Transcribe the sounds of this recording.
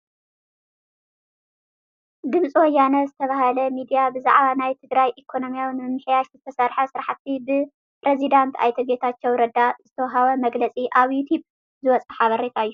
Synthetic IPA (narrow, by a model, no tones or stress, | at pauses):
ɡɨmt͡sʼiwɔjːanɐzɨt̪ʰɐβahalɐmid̪ijabɨza̰ʕβanajt̪ʰɨɡɾajʔikʰo̞no̞mijawnɨmɨħjaʃzɨt̪ʰɐsaɾħɐsɨɾaħat̪ʰːibɨ | pɾezid̪ant̪ʰa̰jt̪ʰɐbet̪ʰat͡ʃːɛwɾɐd̪azɨt̪ʰɐwɦaβɐmɐɡlɐt͡sʼiʔaβjut̪ʰub | zɨwɔt͡sʼɐħaβɐɾet̪ʰaɨjːu